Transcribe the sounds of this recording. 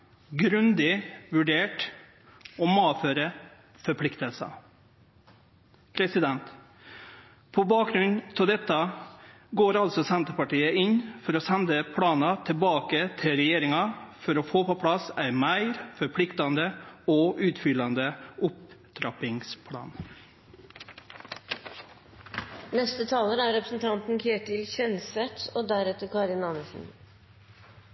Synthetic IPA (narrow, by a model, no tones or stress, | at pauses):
ɡɾʉnd̪ɪʋʉɖeːʈ | ɔmɑːʋføːɾə | fɔɾpʰlɪkt̪əlsɑ̰ | pʰɾɛsɪd̪ɛnt̪ | pʰɔbɑːk̚ɡɾʉnnt̪ʰɪld̪ɛt̪ːɑ | ɡoːɾɑlt̪sɔsɛnt̪əpɑʈiːəʔɪnfɔɾɔsɛnd̪əpʰɽɑːnɑt̪ʰɪlbɑːkət̪ʰɪlɾɛjeːɾɪŋɑfɔɾɔfoːpɔpʰɽɑsæɪmæɪɾfɔɾpʰɽɪkt̪ɑnd̪əɔʔʉːt̪fʏlɑnd̪əʊpd̪̥ɾɑpɪŋspʰɽɑ̰ːn | nɛst̪ət̪ʰɑːləɾæɾɛpɾəsn̩t̪ʰɑnt̪n̩çʰeːʈːɪlçɛnsɛt̪oːd̪æɾɛt̪ːəɾkɑɾɪnɑnəsn̩